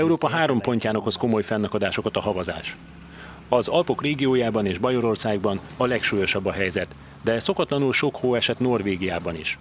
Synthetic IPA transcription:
ɛuɾoːpɒɦaːɾo̞mpo̞ɲcaːnɒkho̞sko̞mo̞jfɛnːɒkod̪aːʃo̞kɒt̪ɒɦɒvɒza̰ːʃ | ɒzɒlpo̞kreːɡijoːjaːbɒneːʒbɒjo̞ɾo̞rsaːɡ̚bɒn | ɒlɛkʃuːjo̞ʃɒbːɒɦɛjzɛt̪ | d̪ɛso̞kɒt̪lɒnulʃo̞khoːɛʃɛt̪no̞rveːɡijaːbɒnḭʃ

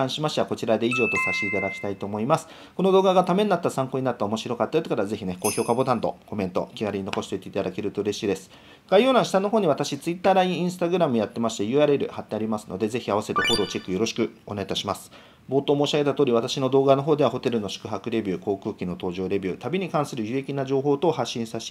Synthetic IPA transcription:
ãɰ̃ɕimaɕiβako̞t͡ɕiɾad̪e̞iʑo̞ːt̪o̞saɕt̪eit̪ad̪akʲi̥t̪ait̪o̞ːmo̞imasɨ̥ | ko̞no̞d̪o̞ːɡaɡat̪ame̞nːat̪ːasãŋko̞ɲinat̪ːaomo̞ɕiɾo̞kat̪ːajott͡skaɾaze̞çʲine̞ko̞ːço̞ːkabo̞t̪ãnt̪o̞̰ko̞mẽ̞nt̪o̞̰kʲiɡaɾiɲ̟inoko̞ɕi̥t̪eit̪eit̪ad̪ake̞ɾɯ̟t̪o̞ɯ̟ɾe̞ɕiːd̪e̞sɨ̥ | ɡ̥aijo̞ːɾãɰ̃ɕi̥t̪ãnːo̞ɦoːɲ̟iβat̪aɕit͡sɨit̪ːaːɾaĩĩɰ̃sɨ̥t̪aɡɯ̟ɾamɯ̟jat̪ːe̞maɕi̥t̪e̞jɯ̟aɾe̞ɾɯ̟̰hat̪ːe̞aɾʲimasɨ̥no̞d̪e̞ze̞çiaβase̞t̪e̞ho̞ːɾo̞ːt͡ɕe̞kːɯjo̞ɾo̞ɕi̥kɯ̟o̞neit̪aɕimasɨ̥ | bo̞ːt̪oːmo̞ːɕiaɡe̞t̪at̪oːɾʲiβat̪aɕino̞d̪o̞ːɡano̞ɦo̞ːd̪e̞β̞aɦo̞t̪e̞ɾɯ̟no̞ɕi̥kɯ̟ɦakɯ̟ɾe̞bʲɯ̟ːko̞ːkɯ̟ːkʲino̞t̪o̞ːʑo̞ːɾe̞bʲɯ̟ːt̪abʲiɲ̟ikãɰ̃sɨɾɯ̟jɯ̟jekʲinaʑo̞ːɦo̞ːt̪o̞haɕːĩɰ̃saɕ

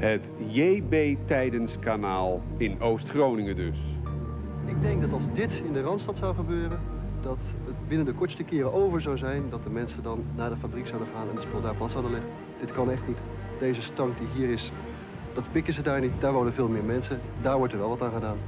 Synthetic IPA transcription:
hətjebejtɛjdənskanaːlˠ | ɪnowstχrownɪŋədøs | ɪɡ̚dɛŋk̚dɑtɑlˠzdɪtɪndərɑntstɑtsawχəbøːrən | dɑtətbɪnəndəkɔɹtstəkɪːɾəʔowvəɹzawzɛjndɑt̚dəmɛnsədɑnːaːdəfabriksawdəχaːnɛnətspolˠdaːɹpɑsɔdəlɪχə | d̥ɪtkɑnɛχtnit | d̥ejzəstɑŋkdiɦiːɾɪs | d̥ɑtpɪkəzədaːɹnitdaːɹʋowdənvɪːlˠmɪːɹmɛnsəndaːɹʋɔɹtəɹʋɛlˠʋɑtaːnχədaːn

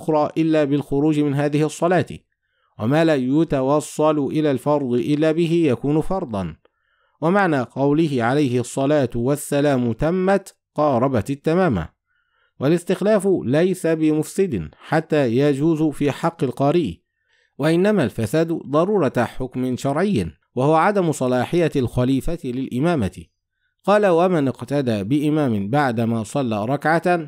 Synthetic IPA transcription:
ʊxɾˤɑːʔɪlːaːbɪlxʊɾuːd͡ʒɪmɪnɦaːðɪhɪʔɑsˤːɑlaːt̪ | wamaːlajʊt̪awɑsˤːɑlʊʔɪlaːlfɑɾˤd̪ˤɨʔɪlːaːbɪɦɪjakuːnʊfɑɾˤd̪ˤɑn | wamaʕnaːqɑwlɪɦɪʕalajhɪʔɑsˤːɑlaːt̪wasːalaːmʊt̪amːat̪ | qɑːɾˤɑbat̪ːamaːma̰ | walɪst̪ɪxlaːfʊlajsabɪmʊfsɪd̪ɪnħat̪ːaːjad͡ʒuːzʊfiːħɑqːɪlqɑːɾiʔ | waʔɪnːamalfasaːd̪d̪ˤɑɾuːɾˤɑt̪aħʊkmɪnʃɑɾˤʕɪjː | wahʊwaʕad̪amʊsˤɑlɑːħɪjalxaliːfat̪lɪlʔɪmaːmat̪ɪ | qɑːlawamɪnɪqt̪ad̪aːbɪʔɪmaːmɪnbaʕd̪amaːsˤɑlːaːɾˤɑkʕa

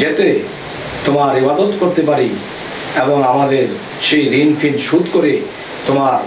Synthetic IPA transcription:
d͡ʑet̪e | t̪omaɾɦibad̪ot̪koɾt̪epaɾi | eboŋamad̪eɾ | ʃejɾinfʰinɖʃud̪koɾe | t̪omaɾ

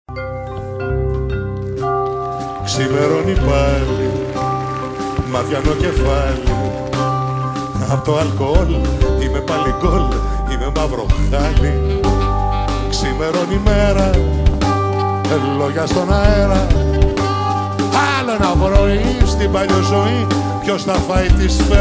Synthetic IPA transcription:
ksime̞ɾo̞nipɐli | mɐt̪çɐnoce̞fɐli | ɐpot̪oɐlkoolime̞pɐliɡol | ime̞mɐvɾo̞xɐli | ksime̞ɾo̞nime̞ɾɐ | enlo̞ʝɐst̪o̞nɐeɾɐ | ɐlo̞enɐvɾo̞ist̪ibɐʎozo̞i | pço̞sθɐfɐit̪isfe

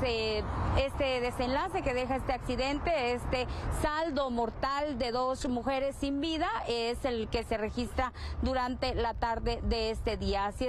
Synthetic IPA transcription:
eest̪eðese̞nlase̞ke̞ðe̞xaest̪eaksiðent̪eest̪esald̪o̞moɾt̪ald̪e̞ðo̞smuxe̞ɾe̞sːimbiðaeselkese̞re̞xist̪ɾad̪uɾant̪e̞lat̪aɾðeðeest̪e̞ðias

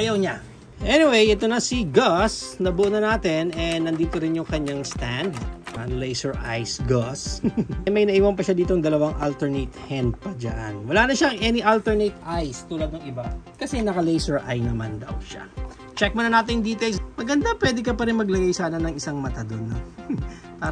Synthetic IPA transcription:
ʔʔajɐwɲa | ʔɛnɪwejʔɛt̪onɐsiɡasnɐbuʔnɐnaːt̪ɪnɛnːɐnd̪iːt̪oɾɪnjʊŋkɐɲaŋst̪and̪ʔɐnlejsɛɹʔajsɡasmɐjnɐʔiːwɐnpɐʃad̪iːt̪oŋd̪ɐlɐwaŋʔalt̪ɛɹnet̪hɛnd̪̚pɐd͡ʒɐ̰ʔɐnwɐlaːnɐʃaɐŋʔɛnɪʔalt̪ɛɹnejt̪ʔajst̪uːlad̪̚nɐŋɪbakɐsɛnɐkɐlejsɛɹʔa̰jnɐmand̪ɐ̰wʃa̰ | t͡ʃɛk̚monɐnaːt̪ɪŋd̪iːt̪elsmɐɡɐnd̪apwɛːd̪ɛkɐpɐɾɪnmɐɡlɐɡajsaːnɐnɐŋɪsaŋmɐt̪ad̪onːo | paː

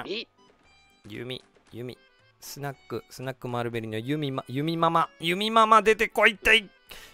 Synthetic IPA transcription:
jɯ̰mʲḭ | jɯ̰mʲḭ | sɨnakːɯsɨnakːɯ̟maɾɯ̟beɾɯɲiajɯmʲimajɯmʲimamajɯmʲimamad̪e̞t̪ekoit̪ːai

